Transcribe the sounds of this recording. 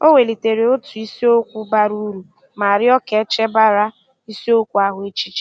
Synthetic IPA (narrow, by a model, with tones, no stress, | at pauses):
o˦wʷe˨li˨te˨ɾe˨o˦tu˨i˦si˦o˦kʷu˦ba˦ɾu˦ɾu˨ | ma˨a˨ɾɪ˦ɔ˦ke˨˦t͡ʃe˦ba˦ɾa˦ | i˦si˦o˦kʷu˦a˦ɦʊ˨e˦t͡ʃi˦t͡ʃi̥˦